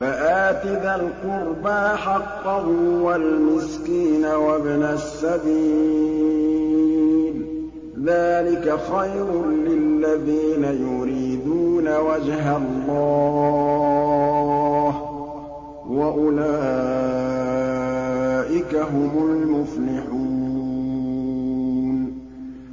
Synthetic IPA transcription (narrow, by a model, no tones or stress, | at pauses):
faʔaːt̪ɪd̪alqʊɾbaħɑqːɑhʊwalmɪskiːnawabnasːabiː | l | ðaːlɪkaxajɾʊlɪlːaðiːnajʊɾiːd̪uːnawad͡ʒɦalːɑː | h | waʔʊlaː | ʔɪkaɦʊmʊlmʊflɪħu | n